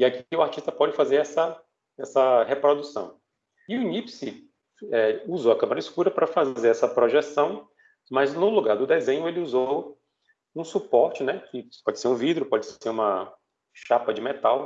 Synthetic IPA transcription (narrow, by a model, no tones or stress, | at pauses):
ɪakʊaɾt͡ʃist̪ɐpɔd͡ʒɪfazeɾɛsɐ | ɛsɐhepɾod̪usɐ̰̃w̃ | ɪʊnipsɪ | ɛuzoɐkɐ̃mɐɾɐiskuɾɐpɾɐfazeɾɛsɐpɾoʒesɐ̃w̃ | mɐznʊluɡaɾd̪ʊd̪ezẽɲʊelɪuzow | ũsupɔɾt͡ʃɪnɛkɪpɔd͡ʒɪseɾũvid̪ɾʊpɔd͡ʒɪseɾũmɐ | ʃapɐd͡ʒɪmet̪aw